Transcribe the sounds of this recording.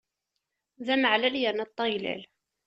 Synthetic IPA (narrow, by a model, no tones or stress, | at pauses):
ðæməʕlæljænæt̪ˤːɑjlæ̰l